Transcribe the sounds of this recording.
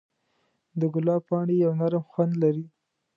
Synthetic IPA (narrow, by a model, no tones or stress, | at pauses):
d̪əɡʊlɑpɑɳejawnaɾmxwand̪laɾi